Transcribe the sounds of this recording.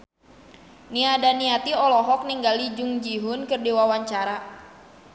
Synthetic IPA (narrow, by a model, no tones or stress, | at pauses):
niadaniat̪iɔlɔɦɔk̚niŋɡalid͡ʒʊŋd͡ʒiɦʊnkɨrdiwawaɲt͡ʃaɾa